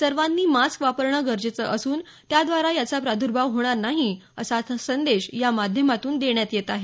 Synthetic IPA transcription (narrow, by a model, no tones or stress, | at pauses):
səɾʋanːiːmaskʋapəɾɳəɡəɾd͡ʑet͡səʔəsuːn | t̪jad̪ʋaɾajat͡sapɾad̪ʱuɾbʱaʋɦoɽ̃aɾnaɦiəsasənd̪eɕjamad̪ʱjəmat̪uːnd̪eɳjat̪jet̪aɦe